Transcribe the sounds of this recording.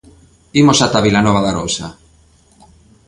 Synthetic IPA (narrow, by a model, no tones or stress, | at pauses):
imosat̪aβilanɔβ̞aðarowsa̰